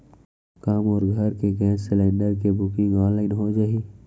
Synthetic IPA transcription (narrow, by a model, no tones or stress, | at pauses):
kaːmɔːɾɡʱəɾkeɡɛ̃ːssɪlẽːɳɖəɾkebʊkɪ̃ŋɔ̃ːnlaːɪnɦod͡ʒaːi